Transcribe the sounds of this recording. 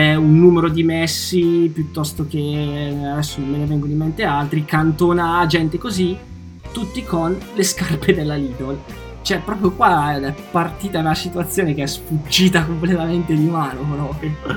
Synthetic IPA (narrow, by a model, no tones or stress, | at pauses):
ɛunːuːmeɾod̪imɛsːipjut̪ːɔst̪ok̟ead̪ɛsːonomːenevɛŋɡond̪iment̪ealt̪ɾikant̪oːnad͡ʒɛnt̪ekozi | t̪ut̪ːikonleskarped̪elːaliːt̪ol | t͡ʃoɛpɾɔːpɾjokwaɛpːart̪iːt̪aunasit̪uat̪sːjoːnekeɛsfut͡ʃːiːt̪akomplet̪ament̪ed̪imaːnokolɔke